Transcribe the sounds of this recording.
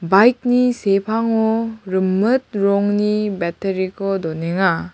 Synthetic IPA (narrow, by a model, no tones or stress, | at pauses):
bajk̚nisepʰaŋɔɾɯmːɯt̪̚ɾɔŋnibɛteɾikʰɔdɔneŋa